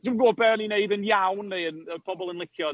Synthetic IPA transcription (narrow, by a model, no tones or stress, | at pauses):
d̥əəɡoːbɛnineɨðənjawnːeənəpʰɔbɔlˠənlˠɪkʰjɔ